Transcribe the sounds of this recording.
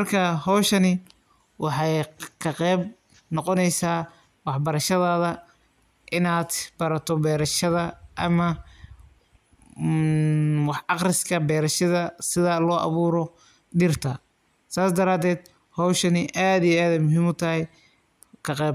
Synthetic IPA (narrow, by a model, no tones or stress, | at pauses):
mɐrkʰɐhɔwʃɐnɪ | wɑħɑjkʰɐqɛːb | nɔqɔnɛjsaː | wɑħbɐɾɐʃɐðaːðɐ | ʔɪnaːd̪b̥ɐɾɐt̪ʰɔbɛːɾɐʃɐðɐʔɐmɐ | wɑħɑqrɪskʰɐbɛːɾɐʃɐðɐsɪðɐlɔːʔɑ̰βuːɾɔ | ɖɪrt̪ʰɐ | saːsd̪ɐɾaːd̪ɛːd̪ | hɔwʃɐnɪʔaːd̪ijɛaːðɛmʊɦimʊt̪ʰɐɦɛj | kʰɐqɛːb